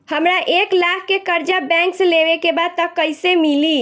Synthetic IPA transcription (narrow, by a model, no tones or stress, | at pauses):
həmɾaʔeklakʰkekəɾd͡ʒabɛ̃ŋksleʋekebad̪̚t̪əkːəjsemili